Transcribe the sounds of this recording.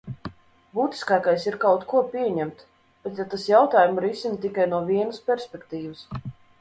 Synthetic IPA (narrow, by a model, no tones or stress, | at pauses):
buːt̪ʲi̥skaːkajsiɾkawt̪kuɔpʲiɛɲɛmt̪ | b̥ɛt̪jat̪asjawt̪aːjumɾisinət̪ikajnuɔvʲiɛnəspʲɛɾsʲpʲɛkt̪iːvəs